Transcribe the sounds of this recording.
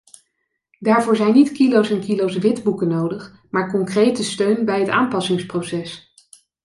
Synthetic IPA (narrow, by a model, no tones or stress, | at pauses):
daːɹvʊːɹzɛjnitkilowsɛnkilowsʋɪdbukənowdəχ | maːɹkɔŋkrejtəstøɥnbɛjɦəta̰ːmpɑsɪŋsprosɛs